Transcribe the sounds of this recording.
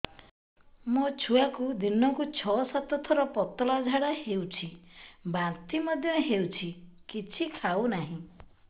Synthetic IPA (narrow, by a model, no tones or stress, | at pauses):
mot͡ʃʰuakud̪inɔkut͡ʃʰɔsat̪ɔt̪ʰɔɾɔpɔt̪ɔlad͡ʒʱaɽahewt͡ʃʰibant̪imɔd̪ʱjɔɦewt͡ʃʰikit͡ʃʰikʰawnaɦĩ